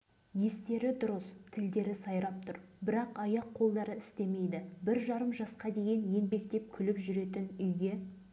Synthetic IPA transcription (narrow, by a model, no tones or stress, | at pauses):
je̞st̪e̞ɾɪd̪ʊɾəst̪ʰɪld̪e̞ɾɪsɑjɾɑp̚t̪ʰʊɾbɪɾɑqɑjɑqʰːo̞lˠd̪ɑɾəɪst̪e̞me̞jd̪ɪbɪɾʒɑɾəmʒɑsqɑd̪e̞ɡʲenje̞nbe̞k̚t̪e̞p̚kʲʰʏlɪpʒʏɾe̞t̪ɪnʏjɡʲe̞